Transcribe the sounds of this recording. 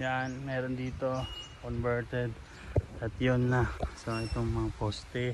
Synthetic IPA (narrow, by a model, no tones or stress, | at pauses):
jaʔnmɛːɾond̪iːt̪o̞konvɛɹt̪ɛd̪ | ɐt̪jonːɐsɐʔɪt̪oŋmɐŋapost̪ɛ